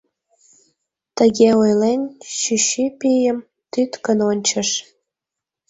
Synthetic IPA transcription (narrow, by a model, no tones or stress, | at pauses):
t̪əɣeojlenɕyɕypijəm | t̪yt̪kənonʲt͡ɕəʃ